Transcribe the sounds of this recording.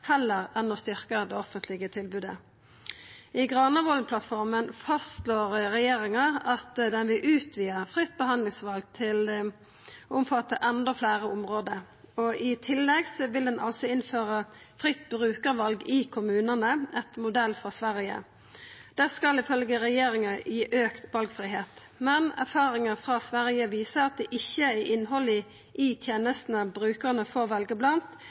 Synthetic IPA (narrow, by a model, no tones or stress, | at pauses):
hɛlːəʁɛnːɔst̪ʏʁkəd̪ɛɔfənt̪lɪɡət̪ʰɪlbʉːd̪ə̰ | ɪɡʁɑːnəʋɔlpʰlɑt̪fɔʁmənfɑstt̪loːʁʁɛjeːʁɪŋɑɑt̪d̪ɛnʋɪʔʉːt̪ʰʋiːəʁfʁɪt̪̚ːbəhɑnd̪lɪŋsʋɑlɡ̚t̪ʰɪl | ʊmfɑt̪ːəʔɛnd̪ɔflæːʁəʊmʁoːd̪ə | ɔʔɪt̪ʰɪlːɛɡsɔʋɪld̪ɛnʔɑ̰lsɔɪnføːʁəfʁɪt̪ːbʁʉːkəʁʋɑlɡɪkʰʊmʉːnənəɛt̪mʊd̪ɛlːfʁɑsʋæʁjə̰ | d̪̥ɛskɑlɪfœlɡəʁɛjeːɾɪŋɑjiːʔøːkt̪ʋɑlɡfʁiːɦeːt̪ | mɛnæ̰ʁfɑːɾɪŋəfʁɑsʋæʁjəʋiːsəɑt̪̚d̪ɛʔɪçːəæʔɪnɦɔlɪ | ʔɪt̪ʰjeːnəst̪n̩əbɾʉːkəʁnəfɔʋɑlɡəblɑnt̪